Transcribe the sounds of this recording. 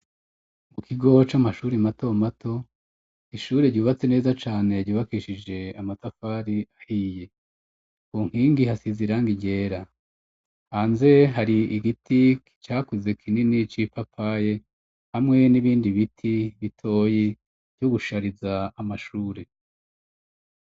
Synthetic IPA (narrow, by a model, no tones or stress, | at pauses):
mukʰiɡo̞t͡ʃamaʃuːɾemato̞matʰo̞ | iʃuːɾe̞ɾɟuːβat͡sene̞ːzat͡ʃaːne̞ɾɟuːβakiʃid͡ʒe̞amatafaːɾiahije̞ | kuːŋ̥hiːŋɡihasiziɾaŋɡiɟe̞ːɾa | aːnze̞ɦaɾiiɡitʰikit͡ʃaːkuze̞kʰininit͡ʃipapʰaje̞ | hamŋe̞niβiːndiβitʰiβitʰo̞ːji | v̥ɟoɡuʃaɾizaːmaʃuːɾe̞